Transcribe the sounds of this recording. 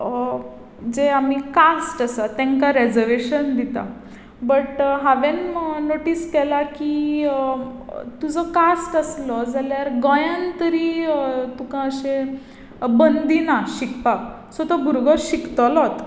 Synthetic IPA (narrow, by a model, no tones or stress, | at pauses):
d͡zeamikasʈasat̪ɛ̃ŋkaɾed͡zəɾʋeɕənd̪it̪a̰ | bəʈɦaʋenmənoʈiːskɛlaki | t̪ud͡zɔkasʈəslɔd͡zaljaɾɡɔjãnt̪əɾit̪ukãəɕe | bənd̪inaɕikpa | sɔt̪ɔbʱuɾɡɔɕikt̪əlɔt̪